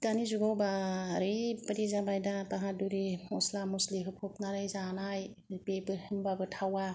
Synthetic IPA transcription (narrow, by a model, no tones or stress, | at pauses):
tanizuɡawbaɾɯjpaɾizabajdapaɦaduɾiɔslamusliɦɯpʰɔp̚naɾɯjzanaj | pebɯhɯmbabɯtʰawa